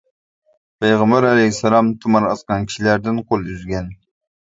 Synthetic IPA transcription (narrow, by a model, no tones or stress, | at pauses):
pʰejʁɑmbæɾælɛjsɑlˠɑmt̪ʰumɑɾɑsqɑnkʲʰi̥ʃilæɾd̪ɪnqʰolˠyzɡʲɛn